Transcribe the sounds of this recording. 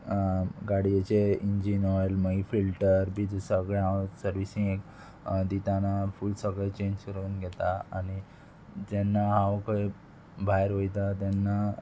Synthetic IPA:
ɡaɽijet͡ɕeiɲd͡ʑinɔjlməifilʈəɾbid͡zəsəɡɭeãwsəɾʋisĩŋɡek | d̪it̪anafuːlsəɡɭet͡ɕẽɲd͡ʑkəɾuːnɡʱɛt̪aa̰ni | d͡ʑɛnːaɦawkəi | bʱajɾɦojt̪at̪ɛnːa

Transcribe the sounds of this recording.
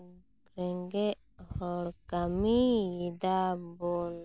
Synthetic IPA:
ɾɛŋɡɛ | hɔɽkamijid̪abɔn

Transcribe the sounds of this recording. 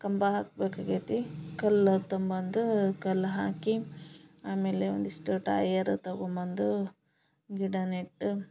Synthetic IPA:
kɐmbɐɦaːk̚beːkaːɡit̪ikɐlt̪ɐmbɐnd̪ukɐlːɦaːkiaːmeːleo̰nd̪iʂʈuʈa̰ːjɐɾt̪ɐɡombɐnd̪u | ɡiɽɐneʈː

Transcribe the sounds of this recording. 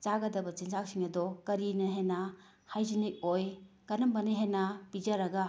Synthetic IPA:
t͡ʃaɡɐdɐbɐt͡ʃinzak̚siŋɐdɔkɐɾinɐɦenɐ | hajzinik̚oj | kɐnɐmbɐnɐɦenɐpid͡ʒɐɾɐɡɐ

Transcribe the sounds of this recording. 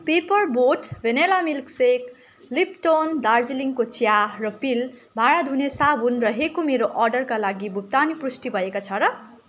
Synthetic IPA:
pepʌrboʈbʱenelamilksek | lip̚ʈond̪ard͡ziliŋkot͡sjarʌpilbʱaɽad̪ʱunesabʱunrʌɦekomeɾoʔʌrɖʌrkalaɡibʱup̚t̪aniprusʈibʱʌekot͡sʰʌɾʌ

